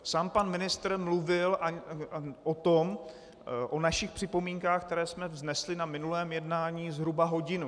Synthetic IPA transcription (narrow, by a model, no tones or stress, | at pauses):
saːmpanmɪnɪst̪ɾmluvɪlʔa | ʔot̪om | ʔonaʃɪxpr̝̥ɪpo̞miːŋkaːxkt̪ɛɾɛːsmɛvznɛslɪnamɪnulɛːmjɛdnaːɲiːzɦɾubaɦo̞ɟɪnu